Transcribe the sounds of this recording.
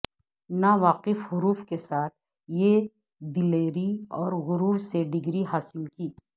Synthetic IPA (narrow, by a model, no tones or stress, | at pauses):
naːʋaːqɪfɦʊɾuːfkesaːt̪̚ʰ | je | d̪ɪleːɾiɔːɾɣʊɾuːɾseɖɪɡɾiɦaːsɪlkiː